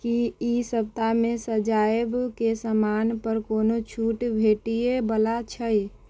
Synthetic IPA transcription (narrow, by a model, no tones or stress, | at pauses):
kiisəb̚t̪amesəd͡ʒaebkesəmanpəɾkonot͡ʃʰuʈbʱeʈijebəlat͡ʃʰəj